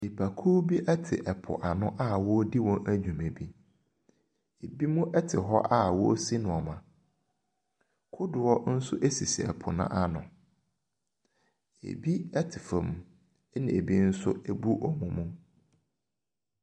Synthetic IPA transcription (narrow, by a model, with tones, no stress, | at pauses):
i˨pʰa˨kʰuː˦bi˦ʔɛ˦tʰɪ̰˨ʔɛ˨pʰʊ̰˨ʔa˨nʊ̃˦ʔa˦wɔ˦di˦wɔ̃˦ʔæ˦d͡ʑᶣũ˨me˨bi˦ | e˨bi˦mũ˦ʔɛ˦tʰɪ˨ɦɔ˦ʔa˦wɔ˦si˦nʊ̃˨ɔ˨mã˨ | kʰʊ˦dʊ˨ɔ˦n̩˦sʊ̰˦ʔe˦si˨si˨ɛ̰˨pʰʊ̰˨nã̰˦ʔa˦nʊ̰̃˨ | ḛ˨bi˦ɛ˦tʰɪ˨fɛ̃˨m˨˦ | nɪ̰̃˨e˨bi˦n̩˦sʊ˦e˨bu˦ʔɔ˦mũ˨mũ˦